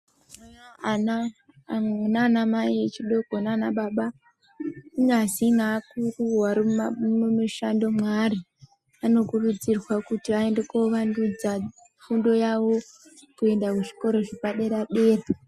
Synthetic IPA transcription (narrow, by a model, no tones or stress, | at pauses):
nanamaiet͡ʃiɗo̞konanaɓaɓa | iŋaazinaːkuruwaɾimumaʃando̞mwari | ano̞kurud͡zirwakutiae̞nde̞koʋandud͡za | fundo̞jawo̞ | kue̞ndakuʐi̥ko̞ɾo̞ʐipaɗeɾaɗe̞ːra